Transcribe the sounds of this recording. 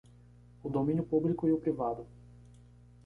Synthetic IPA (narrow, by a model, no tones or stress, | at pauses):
ʊd̪omĩnjʊpublikʊiʊpɾivad̪ʊ